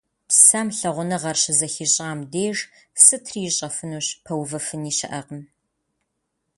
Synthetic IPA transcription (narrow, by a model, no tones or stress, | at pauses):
psɐmɬɐʁʷʊnɐʁɐrɕɪzɐxiːɕʼaːmdeːʒsɨtʰriːɕʼɐfɨnuːɕpʰɐwvɐfɨniːɕɐ̰ʔɐqəm